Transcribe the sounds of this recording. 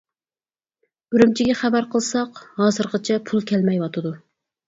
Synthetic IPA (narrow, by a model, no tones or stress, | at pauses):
byɾymt͡ʃʰiɡʲɛχæbæɾqʰəlˠsɑqhɑːzəɾqət͡ʃʰɛpʰulˠkʲʰɛlmɛjwɑt̪ʰɨd̪u